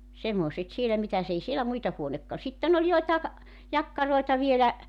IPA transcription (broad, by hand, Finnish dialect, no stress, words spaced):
semːoˑset sielːæ mitæs ei sielæ muitɑ huonekːɑ sitːen olʲ joitɑek̆ jɑkːɑroetɑ ʋielæ